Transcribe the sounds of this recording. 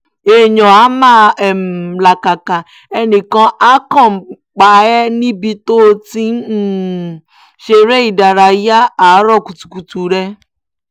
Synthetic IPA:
e˨ɲɔ̃˨a˨˦mã˦ɛ˨m˨la˨ka˨ka˨ | ɛ˦nĩ˨kɔ̃˦ʔa˦kɔ̃˦˨m˨ | k͡pa˨ɛ˦nĩ˦bi˧t̪o˦ti˦ | ʃe˨ɾe˦i˨da˨ɾa˨ja˦a˨˦ɾɔ˦˨ku˨tu̥˨ku˨tu˨ɾɛ˦

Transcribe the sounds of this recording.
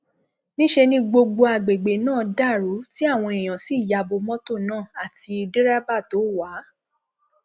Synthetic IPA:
nĩ˦ʃe˧nĩ˧ɡ͡bo˧ɡ͡bo˧a˨ɡ͡be˨ɡ͡be˨nãː˦˨da˦˨ɾu˨˦ti˦a˦˨w̃ɔ̃˧e˨j̃ã˨si˦˨ja˧bo˧mɔ̃˦to˦˨nãː˦˨a˨ti˧de˦ɾa˦ba˦˨to˨˦wa˨˦

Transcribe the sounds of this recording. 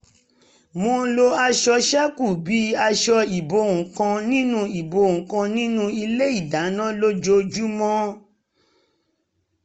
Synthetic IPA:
mo˧lo˧a˧ʃɔ˧ʃɛ˦ku˦˨bi˨˦a˧ʃɔ˧i˨bo˧˨ŋũ˨kã˧nĩ˦nũ˦i˨bo˧˨ŋũ˨kã˧nĩ˦nũ˦i˧le˦i˦˨da˨˦nã˦lo˦d͡ʒo˧d͡ʒu˦mɔ̃˦

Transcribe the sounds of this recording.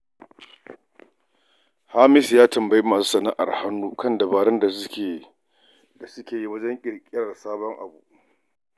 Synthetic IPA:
ha˦mɪ˦sjaː˦tɐ˨mbɐ˨ji˦maː˨suː˦sɐ˨na˦ʔa̰˨rha˦nːuː˦kɐ˦˨ndɐ˨baː˨ɽɐ˦nda˨˦˨ | da˨sʊ˦kʲeː˨ji˦wɐ˦d͡ʒɛ˦ŋkʲʼɪ˨ɾkʲʼɪ˦ɾɐ˨saː˦bɔ˦ŋʔa̰˨bṵ˦ʔ

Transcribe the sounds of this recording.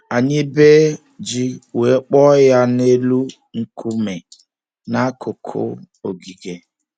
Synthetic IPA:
a˨ɲɪ˦be˦ | d͡ʒi˦we˨˦k͡pɔ˦ja˦ne˦lu˦ | ŋ̩˦kʰu˦me˨ | na˦kʰʊ˨kʰʊ̰˦ | o˨ɡi˨ɡe˨

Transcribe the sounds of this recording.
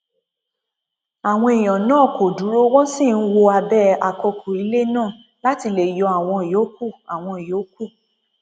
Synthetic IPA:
a˨w̃ɔ̃˧e˨j̃ɔ̃˨nãː˦˨ko˨du˨˦ɾo˦wɔ̃˦si˦˨n̩˦wo˧a˧bɛ˦a˧kɔ˧kʰo˨i˨˧˦le˦nãː˦˨ | la˦ti˧le˨jɔ˨˧˦a˨w̃ɔ̃˧i˨jo˨˦ku˦˨a˨w̃ɔ̃˧i˨jo˨˦ku˦˨

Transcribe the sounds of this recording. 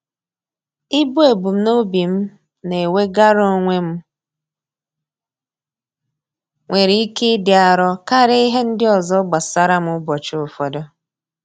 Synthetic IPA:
ɪ˦bo˦e˨bu˨m̩˦no˦bi˨m̩˦ | ne˨we˦ɡa˦ɾo˦ŋʷe˦m̩˦ | ŋʷe˨ɾi˦i˦ke˦dɪ˨a˨ɾɔ˦ka˦ɾe˦i˦ɦe˦n̩˦dɪ˦ɔ˨zɔ˦ɡ͡ba˨sa˦ɾa˦m̩˦ʊ˦bɔ˨t͡ʃʊ˨fɔ˨dɔ˦

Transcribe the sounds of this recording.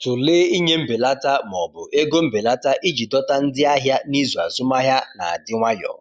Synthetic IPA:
tʊ˨leː˦i˦ɲe˦m̩˦be˨la˦ta˦m˨ɔ˨bʊ˨ʔe˦ɡo˦m̩˦be˨la˦ta˦ʔi˦d͡ʒi˨dɔ˦ta˦n̩˦dɪ˦a˦ɦja˦ni˦zu˨a˨zʊ˦ma˦ɦja˦na̰˨a̰˨dɪ˦ŋʷa˦jɔ̰˨

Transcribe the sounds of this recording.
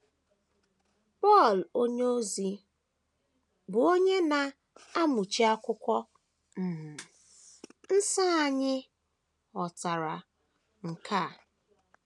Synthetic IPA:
pɔ˦˨lo˦ɲ˦o˦zi˨ | bʊ˨o˦ɲe˦na˨ | a˦mʊ˨t͡ʃi˦a˦kʷʊ˦kʷɔ˦ | m̩˨m̩˨ | n̩˦sa˦a˨ɲɪ˦ | ɔ˨ta˨ɾa˨ | ŋ̩˨ka˦˨

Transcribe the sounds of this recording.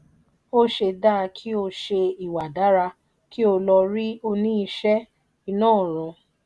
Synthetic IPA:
o˦ʃe˧da˦˧kʰi˦o˧ʃe˧i˨wa˨da˨˦ɾa˧ | ki˦o˧lɔ˧ɾi˦o˧nĩ˦i˧ʃɛ˦ | i˧nãː˦˨ɾɔ̃˨

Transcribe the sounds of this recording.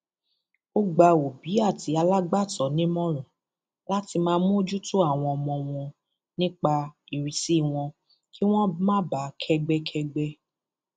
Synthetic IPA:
o˦ɡ͡ba˧o˨bi˨˦a˦˨ti˨˦a˧la˦ɡ͡ba˦˨tɔ˨˦nĩ˦mɔ̃˦ɾ̃ɔ̃˨ | la˦ti˧mãː˧mũ˦o˦d͡ʒu˦tu˦a˦˨w̃ɔ̃˧ɔ˧mɔ̃˧w̃ɔ̃˧ | nĩ˦k͡pa˧i˨ɾĩ˨si˦˨w̃ɔ̃˧ | ki˦w̃ɔ̃˦mã˦ba˨˦kʰɛ˧ɡ͡bɛ˦kʰɛ˧ɡ͡bɛ˦

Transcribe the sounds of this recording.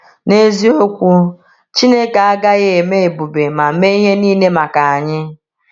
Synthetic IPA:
ne˦zi˦o˦kʷu˦ | t͡ʃi˦ne˦ka˨a˦ɡa˦ɣɪ˦e˨me˦e˨bu˨be˨ma˨˦me˦i˦ɦe˦niː˦ne˦ma˨ka˨a˨ɲɪ˦

